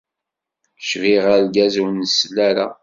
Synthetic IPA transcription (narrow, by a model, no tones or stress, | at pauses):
ʃviʁaɾɡæzuwnəslːæɾa